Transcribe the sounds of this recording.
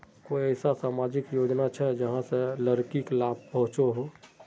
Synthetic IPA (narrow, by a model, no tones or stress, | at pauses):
koːiɛːsasaːmaːd͡ʒɪkjoːd͡ʒnat͡ʃʰɛd͡ʒəɦãseləɾkiklaːb̚pəɦʊ̃t͡ʃoɦoː